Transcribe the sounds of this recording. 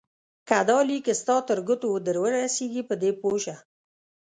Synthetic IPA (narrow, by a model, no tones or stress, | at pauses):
kad̪ɑlikest̪ɑt̪əɾɡʊt̪od̪əɾwəɾaseɡipəd̪epoʃa